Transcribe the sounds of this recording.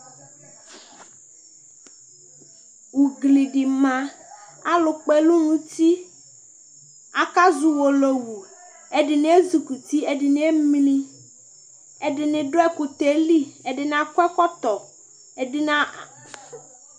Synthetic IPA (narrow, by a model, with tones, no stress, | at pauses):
wu˨ɡli˨ɖi˨mã˦ | a˦lo˨k͡pe˨lu˦nũ˨t̪i˦ | a˨ka˦zu˨wo˨lo˨wu˨ | e˦ɖɪ˨nẽ˦e˦zu˨ku˨t̪i˦e˦ɖɪ˨nẽ˦e˦mlĩ˦ | e˦ɖɪ˨nɪ̃˨ɖo˦ɛ˦ku˨t̪e˨˦li˦e˨ɖɪ˨n˦ã˦kɛ˦kɔ˦t̪ɔ˨ | e˨ɖɪ˦nã˦a˨